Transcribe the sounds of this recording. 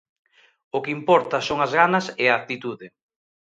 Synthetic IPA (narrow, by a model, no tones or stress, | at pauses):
ʊkɪimpɔɾt̪ɐsoŋɐzɣanɐsɛɐːt̪it̪uðɪ